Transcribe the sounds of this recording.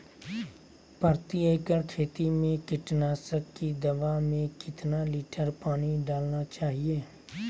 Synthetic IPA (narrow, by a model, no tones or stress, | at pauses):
pəɾt̪ieːkəɾkʰeːt̪imẽkɪʈnaːsəkːid̪ɐʋamẽkɪt̪naliːʈəɾpaːñiɖaːlnat͡ʃaːɦieː